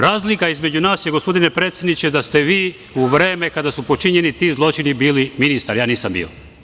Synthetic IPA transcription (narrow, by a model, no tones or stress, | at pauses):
ɾaːzlikaizme̞d͡ʑunaːsjeɡopo̞d̪ine̞pɾet̪sjed̪nit͡ɕed̪ast̪e̞ʋiː | uʋɾe̞ːme̞kad̪asupot͡ʃiɲe̞nit̪iːzlˠo̞t͡ʃinibiːliminist̪aɾjaːniːsambḭːo̰